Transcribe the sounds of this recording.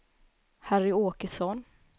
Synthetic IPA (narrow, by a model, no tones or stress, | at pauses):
hæɾɪoːkəsɔn